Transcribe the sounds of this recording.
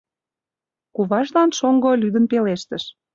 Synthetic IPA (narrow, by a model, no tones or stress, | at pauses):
kuβɑʃlɑnʃoŋɡolyd̪ənpeleʃt̪ə̆ʃ